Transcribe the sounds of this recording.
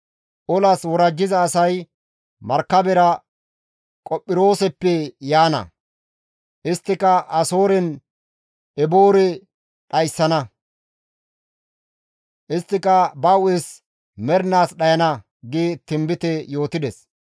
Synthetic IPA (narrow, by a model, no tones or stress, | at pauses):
ʔɔlɐswɔɾɐd͡ʒːɪzɐːsɐj | mɐɾkːɐbɛɾɐ | kʼɔpʼːɪɾo̞ːsɛpːɛjaːnɐ̰ | ʔɪst̪ːɪkɐʔɐso̞ːɾɛn | ɛboːɾɛ | ɗɐjsːɐnɐ | ʔɪst̪ːɪkɐbɐwʊɛs | mɛɾnaːsɗɐjɐnɐ | ɡɪt̪ɪmbɪt̪ɛjo̞ːt̪ɪd̪ɛs